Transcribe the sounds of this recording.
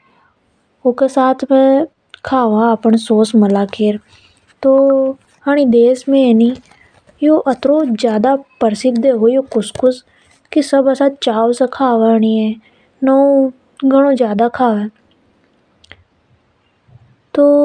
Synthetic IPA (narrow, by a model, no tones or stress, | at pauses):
oːkesaːt̪ʰmẽ | kʰaːʋaəpəɳsoːsməlaːkʰeːɾ | t̪oː | ɦaːɽ̃id̪eːsmẽeni | joːʔət̪ɾod͡ʒjaːd̪apəɾsɪkd̪eɦojokʊskʊs | kisəbəsat͡ʃaːʋsekʰaːʋaɽ̃iɛ̃ | nɔũ | ɡʱəɽ̃õd͡ʒjaːd̪akʰaːʋeː | t̪oː